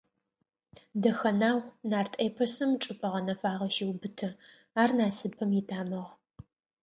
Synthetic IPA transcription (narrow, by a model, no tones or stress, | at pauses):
dɐxɐnaːʁʷnaːrtʰeːpʰɐsɐmʈ͡ʂʼɨpʼɐʁɐnɐfaːʁɐʃiwbɨtʰɨ | aːrnaːsɨpʰɐmjɪtʰaːmɐʁ